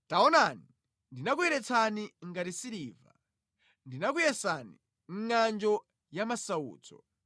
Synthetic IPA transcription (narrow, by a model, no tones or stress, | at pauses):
taɔnani | ndinakujɛɾɛt͡sʰaniŋɡatisiɾiːva̰ | ndinak̬ujɛsani | ŋ̩ŋand͡ʒɔ | jamasaṵːt͡sʰɔ̰